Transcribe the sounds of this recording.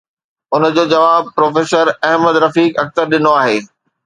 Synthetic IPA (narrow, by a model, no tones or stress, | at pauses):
ʊnə̆d͡ʑoːd͡ʑɐʋaːb̚pɾoːfeːsəɾɐɦməd̪ɾɐfiːkɐk̚t̪əɾɗɪnoaːɦeː